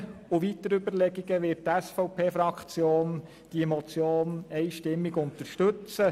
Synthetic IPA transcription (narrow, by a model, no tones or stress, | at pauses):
ʊʋitəɾʏbəɾlɛɡiɡəʋɪt̚tæsfɔʊpʰeːfɾɑkχt͡sjoːn | d̥iemɔt͡sjoːnɛɪʃtɪmːiɡʊnt̪əɾʃtɵt͡sə